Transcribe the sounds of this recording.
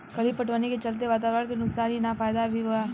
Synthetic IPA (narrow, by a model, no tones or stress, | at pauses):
kɐlipɐʈʰʋəniket͡ʃɐlt̪̬eʋaːt̪̬aːɾəɾkenʊksaːninafaːjd̪abʱiʋɐa